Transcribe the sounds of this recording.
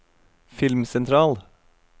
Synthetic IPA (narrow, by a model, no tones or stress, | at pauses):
fɪlmsɛnt̪ʰɾɑːl